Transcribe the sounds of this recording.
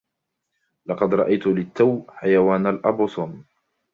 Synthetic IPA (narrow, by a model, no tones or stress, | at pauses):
lɑqɑd̪ɾˤɑʔajt̪ʊlɪt̪ːawħajawaːnalʔɑbʊsˤʊn